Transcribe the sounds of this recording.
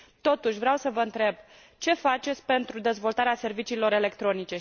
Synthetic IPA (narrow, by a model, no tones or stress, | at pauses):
t̪o̞t̪uʃʲvɾeawsəvəɨnt̪ɾe̞b | t͡ʃe̞fat͡ʃe̞t̪sʲpe̞nt̪ɾud̪e̞zvo̞lt̪aɾease̞rvit͡ʃiːlo̞ɾe̞le̞kt̪ɾo̞nit͡ʃe̞